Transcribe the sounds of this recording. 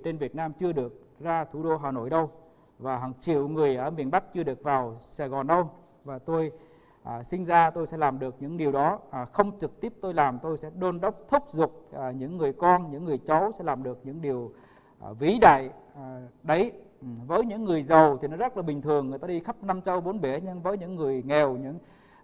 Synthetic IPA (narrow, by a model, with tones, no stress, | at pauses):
t͡ɕe˧nvi˨˩ət̚naː˧mt͡ɕɨ˧əɗɨ˨˩ək̚zaː˧t̪ʰu˧˩ɗo˧ɦaː˨˩no̰˧˨jɗə˧w | vaː˨˩ɦəː˨˩ŋt͡ɕḭ˧˨əwŋɨ˨˩əjʔəː˧˩mi˨˩ənɓa˦˥k̚t͡ɕɨ˧əɗɨ˨˩ək̚vaː˨˩wsaː˨˩ɣɔ˨˩nɗə˧w | vaː˨˩t̪o˧j | ʔsï˧ŋ̟zaː˧t̪o˧jsɛ̰˧˥laː˨˩mɗɨ˨˩ək̚ɲɨ̰˧˥ŋɗi˨˩əwɗɔ˨˦˨xə˧wŋ͡mt͡ɕɨ˨˩k̚t̪i˦˥p̚t̪o˧jlaː˨˩mt̪o˧jsɛ̰˧˥ɗo˧nɗə˦˥wk͡p̚t̪ʰʊ˦˥k͡p̚zʊ˨˩k͡p̚ːɲɨ̰˧˥ŋːɨ˨˩əjkɔ˧nɲɨ̰˧˥ŋːɨ˨˩əjt͡ɕɔ˨˦wsɛ̰˧˥laː˨˩mɗɨ˨˩ək̚ɲɨ̰˧˥ŋɗi˨˩əw | vi˨˦ɗa̰ː˧˨j | ɗə˨˦jvəː˨˦jɲɨ̰˧˥ŋːɨ˨˩əjzə˨˩wt̪ʰi˨˩nɔ˨˦zə˦˥t̚laː˨˩ɓï˨˩ŋ̟t̪ʰɨ˨˩əŋː˨˩jt̪aː˧i˧xə˦˥p̚na˧mt͡ɕə˧wɓo˨˦nɓe˧˩ɲɨ˧ŋvəː˨˦jɲɨ̰˧˥ŋːɨ˨˩əjŋɛ˨˩wɲɨ̰˧˥ŋ